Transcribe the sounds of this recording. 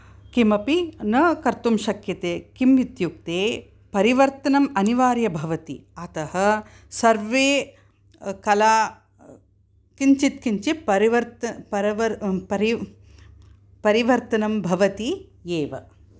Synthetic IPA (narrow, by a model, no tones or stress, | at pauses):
kimɐpinɐkɐɾt̪umʃɐkjɐt̪eːkimʋit̪juk̚t̪eː | pɐɾiʋɐɾt̪ɐnɐmɐniʋaːɾjɐbʱɐʋɐt̪ḭɐt̪ɐhɐ̆ | sɐɾʋeː | kɐlaː | kiɲt͡ʃit̪kiɲt͡ʃiɐɾiʋɐɾt̪pɐɾʋɐpɐɾi | pɐɾiʋɐɾt̪ɐnɐmbʱɐʋɐt̪ijeːʋɐ